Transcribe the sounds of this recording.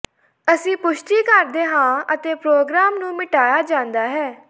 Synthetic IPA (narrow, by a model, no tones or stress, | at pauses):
əsĩːpʊʃʈiːkəɾd̪eːɦãːət̪eːpɾoːɡɾaːmnũːmɪʈaːjaːd͡ʒãːnd̪aːɦɛː